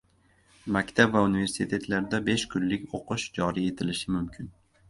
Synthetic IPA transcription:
makʲt̪ʰabvaunive̞ɾsɪt̪ʰe̞t̪ʰlaɾd̪abe̞ʃkʰʊnlɪkʲoqʰɨʃd͡ʒɒɾie̞t̪ʰɪlɪʃɪmʊmkʲʰɪn

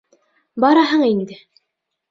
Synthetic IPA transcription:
bɑɾɑɦɤɴind̪ɘ

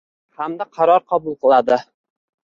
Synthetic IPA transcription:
hamd̪aqʰɑɾɒɾqʰɒbʊlˠqɨlˠad̪ɪ

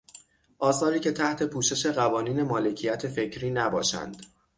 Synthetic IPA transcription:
ʔɒːsɒːɾiːcʰe̞t̪ʰæht̪ʰe̞pʰuːʃe̞ʃe̞ɢævɒːniːne̞mɒːle̞cʰijæt̪ʰefe̞cʰɾiːnæbɒ̰ːʃæ̰nd̪̥

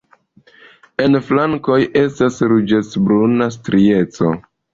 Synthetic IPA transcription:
e̞nflaŋko̞jʔe̞stasɾud͡ʒet͡sbɾunas̬tɾie̞t͡so̰

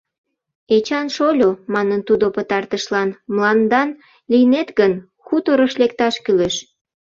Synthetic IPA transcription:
et͡ɕɑnʃolʲomɑnənt̪ud̪opət̪ɑrt̪əʃlɑnməlɑnd̪ɑn | lijnet̪ɡən | xut̪oɾəʃlekt̪ɑʃkyleʃ

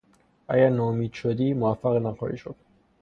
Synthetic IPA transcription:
ʔæ̰ɟæɾnɒːomiːd̪̥ʃod̪iːmovæfːæɣnæxɒ̰ːɾḭːʃod̪̥̚

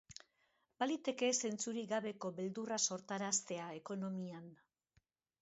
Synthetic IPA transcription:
balit̪e̞ke̞se̞nt͡suɾiɣaβe̞ko̞βe̞ld̪uraso̞ɾt̪aɾast̪e̞ae̞ko̞no̞mian

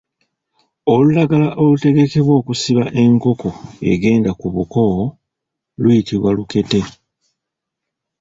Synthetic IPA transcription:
o̞lulaɡalaʔo̞lute̞ɡe̞ke̞βwo̞ːkusiβaʔe̞ŋko̞ko̞e̞̰ɡe̞ːndakuβuko | lujitʰiβwaluke̞te̞

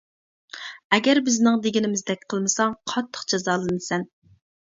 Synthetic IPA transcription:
ɛɡʲɛɾbɪznɪŋd̪eɡʲinɪmɪzd̪ɛk̚ʲqʰəlˠmɨsɑŋqʰɑt̪ʰːə̥qd͡ʒɑzɑːlˠɨnɨsɛn

